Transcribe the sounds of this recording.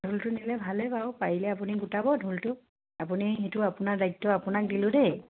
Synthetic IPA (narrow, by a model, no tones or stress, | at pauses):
dʱultʊnilɛbʱalɛpaɔpaɹilɛap̬uniɡutabɔdʱultʊ | apunixetʊapʊnaɹdajtːɔapʊnak̚dilʊ̃de